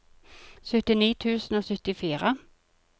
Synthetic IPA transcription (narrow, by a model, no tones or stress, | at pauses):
sœt̪ɪniːt̪ʰʉːsn̩oːsʏt̪ːɪfiːɾə